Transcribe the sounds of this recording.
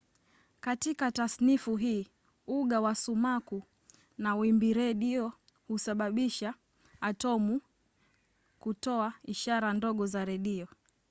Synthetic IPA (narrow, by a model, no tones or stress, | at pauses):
katikatasnifuɦiː | uɠawasumaku | nawimbiɾɛɗiɔ | husaɓaɓiʃaː | tɔmu | kutɔaiʃaɾandɔɠɔzaɾɛɗiɔ